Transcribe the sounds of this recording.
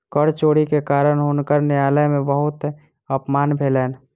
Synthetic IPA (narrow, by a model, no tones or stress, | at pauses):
kəɽt͡ʃoːɽikekaːɾəɽɦoːnkəɾnɪjaːləjmẽbəɦʊt̪ | əpmaːnbʱeːləːn